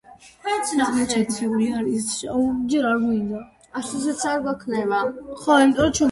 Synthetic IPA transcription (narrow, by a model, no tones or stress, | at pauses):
amɛt͡ʃʰɛt̪ʰiuɾiaɾisʃad͡ʒɛɾaɾɡind̪a | aʃuzɛt̪saɾɡwakʰnɛvaχɔimit̪ʼɔɾɔt͡ʃʰɛ